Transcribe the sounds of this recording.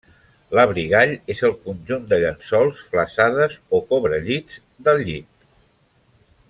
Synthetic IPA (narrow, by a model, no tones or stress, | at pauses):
ləβɾiɣ̞aʎezəlˠkunʲʒund̪əʎənsɔlˠsfləsaðəzokoβɾəʎid͡z | d̪əlˠʎit̪̚